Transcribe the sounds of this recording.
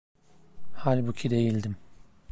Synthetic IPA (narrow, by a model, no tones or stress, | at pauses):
halʲbucʰid̪e̞jilʲd̪im